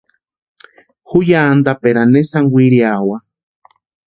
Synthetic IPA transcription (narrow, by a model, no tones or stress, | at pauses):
xujaːnd̪apeɾanesaŋwiɾiawa